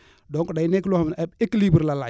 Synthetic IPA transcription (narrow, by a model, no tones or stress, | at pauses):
dɔŋkɔdajnɛklɔhmnɛbekːlibəɾlala